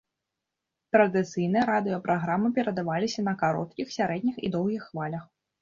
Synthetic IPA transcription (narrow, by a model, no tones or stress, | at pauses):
t̪ɾɐd̪ɨt̪sɨjnɨjɛɾad̪ɨjɐpɾʔaɣɾamɨpʲɛɾɐd̪avalʲisʲɐnɐkaɾɔ̰t̪̚kʲixsʲaɾɛd̪ʲnʲixḭd̪ɔwɣʲixːvalʲɐx